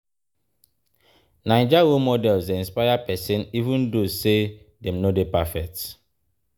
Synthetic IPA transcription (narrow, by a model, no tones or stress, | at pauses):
nãɪd͡ʒawomɔdɛlzeĩnspajapɛsɛ̃nivũndose | dɛ̃mnodepafɛk̚t